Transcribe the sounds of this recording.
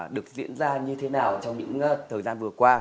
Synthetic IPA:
ɗɨ˨˩ək̚zḭ˧˥ənzaː˧ɲɨ˧t̪ʰe˨˦naː˨˩wt͡ɕɔ˧wŋ͡mɲɨ̰˧˥ŋt̪ʰəː˨˩jzaː˧nvɨ˨˩əkwaː˧

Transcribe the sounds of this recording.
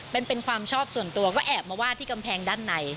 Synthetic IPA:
pe˧npe˧nkʰwaː˧mt͡ɕʰɔː˥˩p̚su˨˩ənt̪u˧ɐkɔː˥˩ʔɛː˨˩p̚maː˧waː˥˩t̪ʰiː˥˩ka˧mpʰɛː˧ŋdaː˥˩nːa˧j

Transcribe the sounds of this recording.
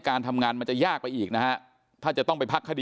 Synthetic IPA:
kaː˧nt̪ʰa˧mŋaː˧nma˧nt͡ɕa˨˩jaː˥˩k̚pa˧jʔiː˨˩k̚na˦˥kʰa˦˥ | t̪ʰaː˥˩t͡ɕa˨˩t̪ɔ˥˩ŋpa˧jpʰa˦˥kʰːa˧diː˧

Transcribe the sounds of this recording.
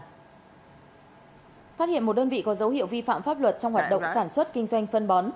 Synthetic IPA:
faː˦˥t̚hḭ˧˨ənmo˨˩ɗəː˧nvḭ˧˨kɔ˨˦zə˨˦whḭ˧˨əwvi˧fa̰ː˧˨mfaː˦˥p̚lwə˨˩t̚t͡ɕɔ˧wŋ͡mhwaː˨˩t̚ɗə̰˧˨wŋ͡msaː˧˩nswə˦˥t̚kï˧ŋ̟zwa˧jŋ̟fə˧nɓɔ˨˦n

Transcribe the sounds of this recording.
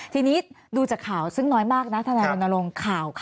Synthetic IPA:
t̪ʰiː˧ni˦˥t̪̚ | duː˧t͡ɕaː˨˩kʰaː˨˩˦wsɯ˥˩ŋnɔː˦˥jmaː˥˩k̚na˦˥t̪ʰa˧naː˧jɾo˧nːa˧lo˧ŋkʰaː˨˩wk

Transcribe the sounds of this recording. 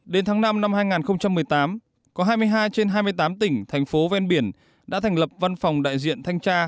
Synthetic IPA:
ɗe˨˦nt̪ʰaː˨˦ŋna˧mna˧mhaː˧jŋaː˨˩nxə˧wŋ͡mt͡ɕa˧mːɨ˨˩əjt̪aː˨˦m | kɔ˨˦ɦaː˧jmɨ˧əjɦaː˧jt͡ɕe˧nɦaː˧jmɨ˧əjt̪aː˨˦mt̪ï˧˩ŋ̟t̪ʰɛ˨˩jŋ̟fo˨˦vɛ˧nɓi˧˩ən | ɗa̰ː˧˥t̪ʰɛ˨˩ŋ̟lə˨˩p̚va˧nfa˨˩wŋ͡mɗa̰ː˧˨jzḭ˧˨ənt̪ʰa˧jŋt͡ɕaː˧

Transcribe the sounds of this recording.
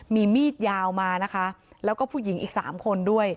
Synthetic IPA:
miː˧miː˥˩t̪̚jaː˧wmaː˧na˦˥kʰa˦˥ | lɛː˦˥wkɔː˥˩pʰuː˥˩ji˩˦ŋʔiː˨˩k̚sa̰ː˩˦mkʰo˧ndu˥˩əj

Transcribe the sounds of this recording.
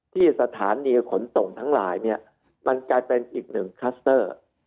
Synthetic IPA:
t̪ʰiː˥˩sa˧t̪ʰaː˩˦nːiː˧kʰo˩˦nso˨˩ŋt̪ʰa˦˥ŋla̰ː˩˦jni˥˩ɐ | ma˧nklaː˧jpe˧nʔiː˨˩k̚nɯ˨˩ŋkʰa˦˥st̪ɤː˥˩

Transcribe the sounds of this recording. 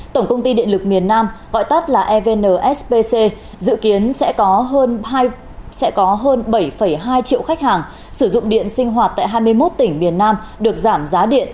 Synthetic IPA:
t̪ə˧˩ŋ͡mkə˧wŋ͡mt̪i˧ɗḭ˧˨ənlɨ˨˩k̚mi˨˩ənːaː˧mɣɔ̰˧˨jt̪ə˦˥t̚laː˨˩ʔɛ˧ve˧nəː˨˩ʔɛ˦˥spe˧se˧ | zɨ̰˧˨ki˨˦ənsɛ̰˧˥kɔ˨˦ɦəː˧nɦaː˧j | sɛ̰˧˥kɔ˨˦ɦəː˧nɓə˧˩jfə˧˩jɦaː˧jt͡ɕḭ˧˨əwxa˦˥k̚haː˨˩ŋ | sɨ˧˩zʊ̰˧˨ŋ͡mɗḭ˧˨ənsï˧ŋ̟ɦwaː˨˩t̚t̪a̰ː˧˨jɦaː˧jmɨ˧əjmo˦˥t̚t̪ï˧˩ŋ̟mi˨˩ənːaː˧m | ɗɨ˨˩ək̚zaː˧˩mzaː˨˦ɗḭ˧˨ənʔ

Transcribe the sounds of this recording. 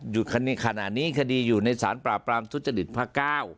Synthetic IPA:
ju˨˩kʰa˧n˧kʰa˧na̰˨˩t̚niː˦˥˨kʰa˧diː˧juː˨˩na˧jsaː˩˦npɾaː˨˩pːɾaː˧mt̪ʰu˦˥t̪̚t͡ɕa˧ɾi˨˩t̪̚pʰaː˥˩kaː˥˩w

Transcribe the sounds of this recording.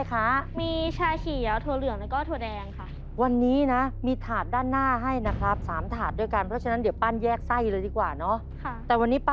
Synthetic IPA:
jkʰa˦˥miː˧t͡ɕʰaː˧kʰi˨˩˦ə˦wt̪ʰu˧lɯ˨˩əŋlaː˧˥kɔː˥˩t̪ʰu˧dɛː˧ŋkʰa˥˩ | wa˧nːiː˦˥na˦˥miː˧t̪ʰaː˨˩t̪̚daː˥˩nːaː˥˩ɦa˥˩jna˦˥kʰɾa˦˥p̚saː˩˦mt̪ʰaː˨˩t̪̚du˧jka˧npʰɾɔ˦˥t͡ɕʰa˧na˦˥di˩˦wpaː˥˩njɛː˥˩k̚sa˥˩jlɤː˧jdiː˧˩kwaː˨˩nɔ˦˥ | kʰt̪ɛː˨˩wa˧nːiː˦˥pa

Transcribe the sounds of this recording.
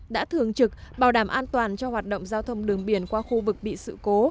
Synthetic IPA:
ɗa̰ː˧˥t̪ʰɨ˨˩əŋt͡ɕɨ˨˩k̚ɓaː˨˩wɗaː˧˩mʔaː˧nt̪waː˨˩nt͡ɕɔ˧hwaː˨˩t̚ɗo̰˧˨wŋ͡mzaː˧wt̪ʰə˧wŋ͡mɗɨ˨˩əŋɓi˨˧˩ənkwaː˧xu˧vɨ˨˩k̚ɓḭ˧˨sɨ̰˧˨ko˨˦

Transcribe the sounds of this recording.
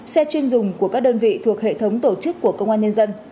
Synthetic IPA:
sɛ˧t͡ɕwi˧ənzʊ˨˩ŋ͡mku˧˩əkaː˦˥k̚ɗəː˧nvḭ˧˨t̪ʰu˨˩ək̚hḛ˧˨t̪ʰə˨˦wŋ͡mt̪o˧˩t͡ɕɨ˦˥kːu˧˩əkə˧wŋ͡mʔaː˧ɲə˧nzə˧n

